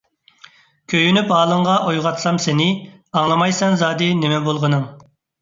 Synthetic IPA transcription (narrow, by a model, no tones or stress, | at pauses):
kʲʰøjynypɑːlˠəɴʁɑʔojʁɑt̪sɑmsenɪɑŋlˠɑmɑjsɛŋzɑːd̪ɨnɪmɛbolˠʁənɨŋ